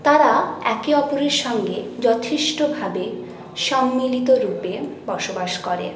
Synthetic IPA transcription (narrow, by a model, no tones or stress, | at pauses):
t̪aɾaɛkeɔpoɾeɾʃɔŋɡed͡ʑɔt̪ʰiʃʈobʱabe | ʃɔmːilit̪̬oɾupebɔʃobaʃkɔɾḛ